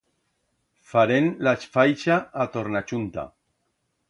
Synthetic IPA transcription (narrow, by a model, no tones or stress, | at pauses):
faɾenlasfajʃaːt̪oɾnat͡ʃunt̪a̰